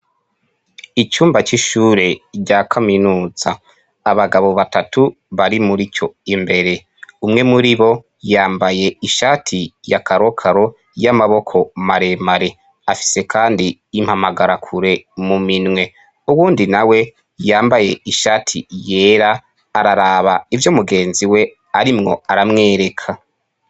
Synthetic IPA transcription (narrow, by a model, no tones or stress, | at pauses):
it͡ʃuːmbat͡ʃiʃuːɾe̞ɟakʰaminuːz̥aː | βaɡaβo̞βatatu | βaɾimuɾit͡ʃo̞imbe̞ɾe̞ | umŋe̞muɾiβo̞ | jaːmbaje̞iʃaːtʰijakaɾo̞kʰaɾo̞ | jamaβo̞kʰo̞maɾe̞maɾe̞ | afi̥se̞kʰaːndiː | m̥hamaɡaɾakʰuɾe̞muminŋwe̞ | uβuːndinawe̞ | jaːmbaje̞iʃaːtʰḭje̞ːɾaː | ɾaɾaβaivjomuɡe̞ːnziwe̞ | aɾimŋo̞̰aɾamŋe̞ːɾe̞kʰa